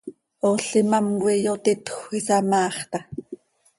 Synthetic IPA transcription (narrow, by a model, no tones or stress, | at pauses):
oɬimamwijot̪it̪xʷisɑmɑːχt̪ɑ